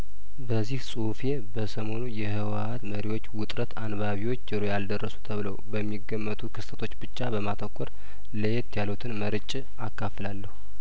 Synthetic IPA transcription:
bəzːihsʼufe̞bəsəmo̞nujɛhɨwaat̪məɾiwo̞t͡ʃːwʊt̪ʼɾət̪anβaβiwo̞t͡ʃːəɾojald̪ərːəsu̥t̪ʰəβɨləwbəmːiɡːəmːət̪ʰukʰɨst̪ʰət̪ʰo̞t͡ʃːbɨt͡ʃːabəmat̪ʰəkʷʰʼːɔɾ | ləjet̪jalut̪ʰɨnməɾɨt͡ʃʼ | akːaflalːəhu

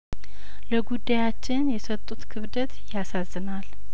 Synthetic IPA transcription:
ləɡud̪ːajat͡ʃːɪnjɛsət̪ʼːut̪kʰɨβd̪ət̪jasazːɨnal

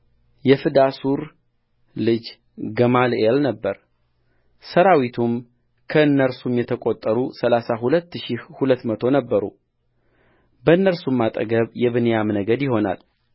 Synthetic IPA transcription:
jɛfɨd̪asuɾ | lɨd͡ʒ | ɡəmalelnəbːəɾ | səɾawit̪ʰum | kʰəɨnːəɾsumjɛt̪ʰəkʼot̪ʼːəɾusəlasaɦulət̪ːɨʃihulət̪ːmət̪ʰo̞nəbːəɾṵ | bəɨnːəɾsumːat̪ʼə̰ɡəβjɛβɨnejamnəɡəd̪jɪho̞na̰l

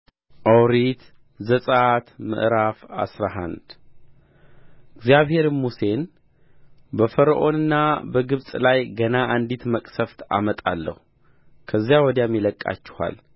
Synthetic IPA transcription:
ʔawɾit̪ | zəsʼat̪mɨ̰ʔɾafa̰sɾaɦa̰nd̪ | ɪɡzjaβhe̞ɾmuse̞n | bəfəɾəʔo̞nɨnːabəɡɨβsʼlajɡənaʔand̪it̪məkʼsəft̪ʰa̰mət̪ʼalːə̰hu | kʰəzːjawɔd̪jamːjiləkʼːa̰t͡ʃːɪ̥ha̰l

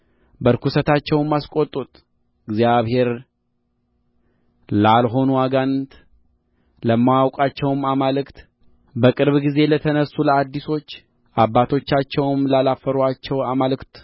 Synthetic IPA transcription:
bəɾkusət̪ʰat͡ʃːɛwnmːaskʼo̞t̪ʼːut̪ʼ | ɨɡzjaβhe̞ɾ | lalɦo̞nuwaɡant̪ | ləmːawawkʼat͡ʃːɛwmamalɨkt̪ | bəkʼɨɾβɡize̞lət̪ʰənəsuləad̪ːiso̞t͡ʃː | ʔabːat̪ʰo̞t͡ʃːat͡ʃːɛwmlalafːəɾuat͡ʃːɛwamalɨkt̪

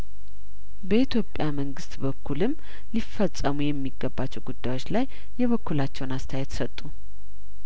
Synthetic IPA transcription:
bəit̪ʰjo̞pʼjaməŋɡɨst̪bəkʰːulɨm | lifːət͡sʼːəmujɛmːiɡːəbːat͡ʃːɛwɡud̪ːajwo̞t͡ʃlajː | ɛβəkːulat͡ʃːɛwnast̪ʰjajɛt̪sət̪ʼːu

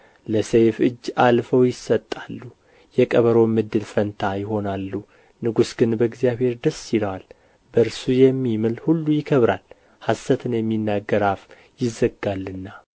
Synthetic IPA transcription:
ləsejfɨd͡ʒːalfəwjɪsːət̪ʼːalːu | jɛkʼəβəɾo̞mɨd̪ːɨlfənt̪ʰajɪɦo̞nalːu | nɨɡusɡɨnbəɡzjaβhe̞ɾd̪əsiləwal | bəɾsujɛmːimɨlhulːujɪkʰəβɾal | hasət̪ʰɨnjɛmːinːaɡəɾaf | jɪzːəɡalːɨnːa

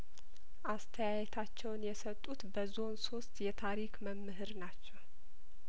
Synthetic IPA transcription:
ʔast̪ʰəjajɛt̪ʰat͡ʃːɛwnjɛsət̪ʼːut̪bəzo̞nso̞st̪jɛt̪ʰaɾikməmːɨɦɨɾnat͡ʃːɛw

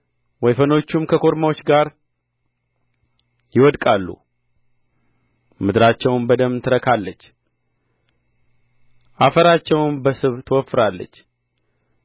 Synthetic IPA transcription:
wɔjfəno̞t͡ʃːumkʰəkʰo̞ɾmawo̞t͡ʃːɡaɾ | jɪwɔd̪kʼalːṵ | mɨd̪ɾat͡ʃːɛwnbəd̪əmt̪ʰɨɾəkʰalːət͡ʃː | ʔafəɾat͡ʃːɛwnbəsɨβt̪ʰəwɔfːɨɾalːə̰t͡ʃː

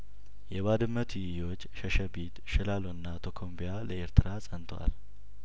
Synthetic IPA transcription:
jɛβad̪ɨmːət̪ʰujɪjo̞t͡ʃːʃəʃəbit̪ʃɪlaloɨnːat̪ʰokʰombijaləe̞ɾt̪ʰɨɾasʼənt̪ʰwa̰l

